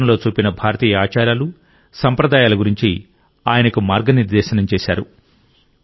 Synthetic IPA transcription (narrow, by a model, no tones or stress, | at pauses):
ɐmlo̞ːt͡ʃuːpinɐbʱaːɾɐt̪iːjɐaːt͡ʃaːɾaːlu | sɐmpɾɐd̪aːjaːlɐɡuɾiɲt͡ʃi | aːjɐnɐkumaːɾɡɐniɾd̪ɛːʃɐnɐmt͡ʃɛːʃaːɾṵ